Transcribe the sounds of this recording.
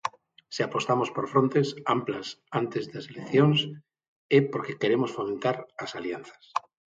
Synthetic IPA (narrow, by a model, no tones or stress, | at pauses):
siapo̞st̪amospoɾfɾont̪esamplasant̪ezðaselekθjons | epoɾkekeɾemosfomẽnt̪aɾasaljanθḁs